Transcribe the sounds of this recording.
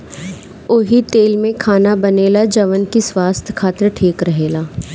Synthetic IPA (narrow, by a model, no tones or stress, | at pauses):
ʊɦit̪eːlmẽkʰaːnabɐneːlad͡ʒɐʋənkiswaːst̪ʰjkʰaːt̪ɾʈʰiːkɾɐɦeːlaː